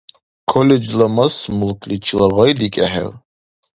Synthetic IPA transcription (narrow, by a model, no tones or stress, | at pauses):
kʰɔlɛd͡ʒlamɐsmulkʰʼlit͡ʃʰilaʁajd̪ikʼɛħɛ̰w